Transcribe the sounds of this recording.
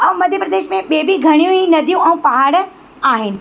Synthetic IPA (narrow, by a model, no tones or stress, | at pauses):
ɐ̃ːmɐd̪ʱjəpɾɐd̪eːʃmẽɓeːbʱiɡʱɐɽ̃ijũinɐd̪ʱjũʔɛ̃ũpɐɦaɽ | aːɦɪnɪ̆